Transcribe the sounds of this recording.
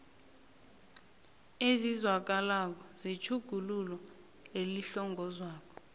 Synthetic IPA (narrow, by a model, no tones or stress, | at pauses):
ezizwak̬alak̬ɔzit͡ʃʰuɡ̥ʱululɔ | eliɬɔŋɡʱɔzwaːk̬ɔ̥